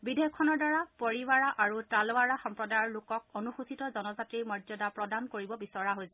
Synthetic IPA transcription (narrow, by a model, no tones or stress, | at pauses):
bidejɔkʰːɔnɔɹdaɹapoɹiwaɹaʔaɹutalowaɹaxɔmpɹɔdajɔɹlokɔkonuxusitɔzɔnɔzatɹimɔzɔdapɹɔdankoɹibɔbisɔɹaɦojsɛ